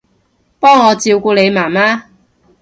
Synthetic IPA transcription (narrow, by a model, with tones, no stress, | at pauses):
pɔː˥ŋːɔː˨˧t͡siː˧wkuː˧le˨˧jmaː˨˩maː˥